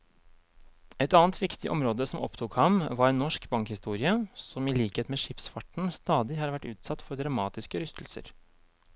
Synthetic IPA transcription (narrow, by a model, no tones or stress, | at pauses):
ɛt̪ɑːnt̪ʋɪkt̪ɪʔɔ̰mɾoːd̪əsɔmɔ̰pt̪ʰʊkhɑmʋɑɾɛnnːɔʂkbɑŋkhɪst̪uːɾɪəsɔmiːliːkheːt̪meːʂɪpsfɑʈɳ̩st̪ɑːd̪ɪhɑːɾʋæʈːʉ̰ːt̪sɑt̪ːfɔɾd̪ɾɑmɑːt̪ɪskəɾʏst̪l̩sə̰ɾ